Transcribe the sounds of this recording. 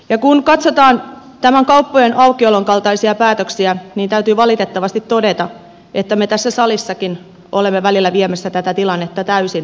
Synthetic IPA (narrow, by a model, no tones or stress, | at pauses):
jɑkunkɑt̪sot̪ɑːnt̪æmæŋkɑupːojenʔɑukːioloŋkɑlt̪ɑisiɑpæːt̪øksiæniːnt̪æyt̪yːʋɑlit̪et̪ːɑʋɑst̪it̪todet̪ɑ | ʔet̪ːæmet̪æsːæsɑlisːɑkin | olemːeʋælilːæʋiemæsːæt̪æt̪æt̪ilɑnːet̪ːɑt̪æysin